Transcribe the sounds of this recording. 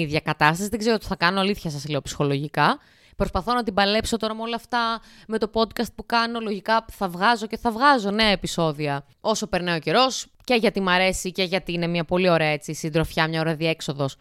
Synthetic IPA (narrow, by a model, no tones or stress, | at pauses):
iðʝɐkɐt̪ɐst̪ɐsiðeɡze̞ɾot̪i̥θɐkɐnoɐliθçɐsɐsleo̞psi̥xo̞lo̞ʝikɐ | pɾo̞spɐθo̞nɐt̪ibɐle̞pso̞t̪o̞ɾɐmeo̞lɐɐft̪ɐ | me̞t̪o̞po̞d̪kɐst̪̚pukɐno̞lo̞ʝikɐθɐvɣɐzo̞ce̞θɐvɣɐzo̞ne̞ɐepiso̞ðiɐ | o̞so̞pe̞ɾnɐoce̞ɾo̞s | ce̞ʝɐt̪imɐɾe̞sice̞ʝɐt̪iine̞mɲɐpo̞lio̞ɾe̞ɐe̞t͡sisind̪ɾo̞fçɐmɲɐoɾɐðie̞kso̞ðo̞s